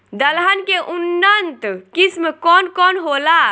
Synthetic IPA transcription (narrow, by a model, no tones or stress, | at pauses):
d̪əlɦənkeʔunːənt̪kismkɔnkɔnɦola